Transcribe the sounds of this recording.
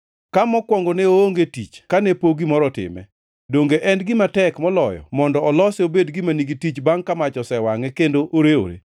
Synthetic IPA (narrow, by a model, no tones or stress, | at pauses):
kamɔkwɔŋɡoneooŋɡetit͡ʃkanepoɡimɔɾɔtɪ̰mɛ̰ | doŋɡeʔɛndɡɪmatɛkmɔlɔjɔ̰mɔndɔːlɔseobedɡɪmaniɡitit͡ʃbaŋkamat͡ʃɔsɛwaŋɛkendoʔoɾeo̰ɾḛ